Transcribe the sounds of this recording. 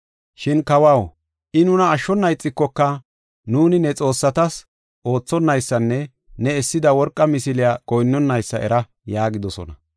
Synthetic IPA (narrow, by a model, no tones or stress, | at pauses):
ʃɪnkɐwɐw | ʔɪnʊnɐːʃːɔnːɐjt͡sʼːɪkːɔkːɐ | nuːnɪnɛt͡sʼo̞ːsːɐt̪ɐs | ʔo̞ːt͡sːɔnːɐjsːɐnːɛ | nɛɛsːɪd̪ɐwɔɾkʼːɐmɪsɪlɪakɔjnːɔnːɐjsːɐʔɛ̰ɾɐ | jaːɡɪd̪ɔsɔ̰nɐ̰